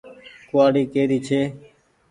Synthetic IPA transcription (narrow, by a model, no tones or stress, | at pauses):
kʊaːɽiːkeːɾiːt͡ʃʰeː